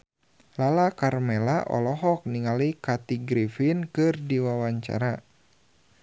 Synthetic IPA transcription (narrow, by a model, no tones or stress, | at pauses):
lalakarmɛlaʔɔ̰lɔɦɔk̚niŋalikat̪iɡɾifɪnkɨrdiwawaɲt͡ʃa̰ɾa